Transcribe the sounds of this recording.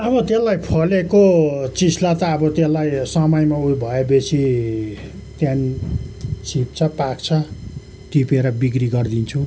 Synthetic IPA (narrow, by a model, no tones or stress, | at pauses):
ʌbʌt̪elːajpʰʌlekot͡sislat̪aːbʌt̪elːajsʌmʌjmaujbʱʌebesʰi | t̪jani | sʰip̚t͡sʰʌpakt͡sʰʌ | t̪ipeɾʌbikriɡʌrd̪int͡sʰu